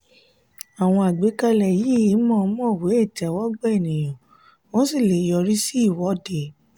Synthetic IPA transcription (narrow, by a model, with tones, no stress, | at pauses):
a˨w̃ɔ̃˧a˨ɡ͡be˨˦ka˦˧lɛ˨ji˨˦˨mɔ̃ː˦˨˦mɔ̃˦˨we˨˦e˦˨tɛ˨˦wɔ˦ɡ͡bɛ˦e˦˨nĩ˨j̃ɔ̃˨ | wɔ̃˦si˦˨le˨jɔ˧ɾi˦si˦i˦˨wɔ˨˦de˨